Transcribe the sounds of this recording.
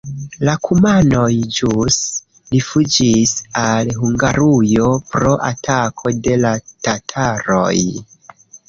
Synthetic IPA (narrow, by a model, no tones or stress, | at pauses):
lakʰumano̞jd͡ʒus | lifud͡ʒisalɦuŋɡaɾujo̞pɾo̞ʔa̰tʰakʰo̞de̞latatʰaɾo̞̰j